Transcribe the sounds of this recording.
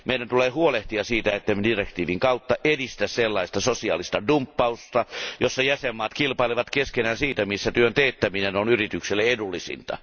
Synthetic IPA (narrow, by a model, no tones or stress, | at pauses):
meˑidænt̪uleːhuoleht̪iɑsiːt̪æet̪ːæmdirekt̪iːʋiŋkɑut̪ːɑʔedist̪æsselːɑist̪ɑsosiɑ̰ːlist̪ɑdumpːɑust̪ɑjosːɑjæsemːɑːt̪kilpɑileʋɑt̪keskenæːnsiːt̪æmisːæt̪yønt̪eit̪ːæminenonyrit̪ykselːeedulːisḭnt̪ɑ̰